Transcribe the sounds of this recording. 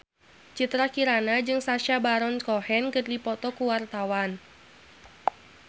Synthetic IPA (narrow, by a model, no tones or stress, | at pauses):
t͡ʃit̪ɾakiɾanad͡ʒɨŋsaʃabaɾɔnkɔhɛnkɨrdipɔt̪ɔkuwart̪awan